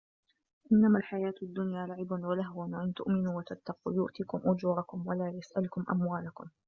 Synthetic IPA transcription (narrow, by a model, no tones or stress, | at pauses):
ʔɪnːamalħajaːt̪ad̪ːʊnjaːlaʕɪbanwalahwanʔɪnt̪ʊ̰ʔmɪnuːwat̪at̪ːaqṵːjʊʔt̪iːkʊmʔʊd͡ʒuːɾˤɑkʊmwalaːjasʔalʊkʊmʔa̰mwaːlakʊm